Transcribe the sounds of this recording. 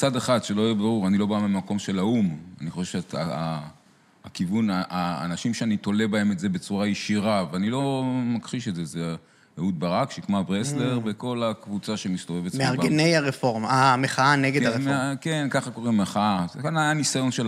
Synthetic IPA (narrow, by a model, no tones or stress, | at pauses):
t͡sad̪eχad̪ʃe̞lo̞jebaʁuʁanilo̞bamimako̞mʃe̞lauma̰niχo̞ʃev̥ʃea̰ | kivunaʔa̰ːnaʃimʃeanit̪o̞lebae̞metze̞be̞t͡suʁajeʃiʁaveanilo̞makχiʃezeze | jeut̪̚baʁakʃekmabʁesle̞ʁbeko̞lakvut͡saʃemist̪ovevetmeaʁbɡenejaʁefoʁmameχaaneɡedaʁmke̞nkaχako̞ʁimːeχaakanajanisajo̞nʃel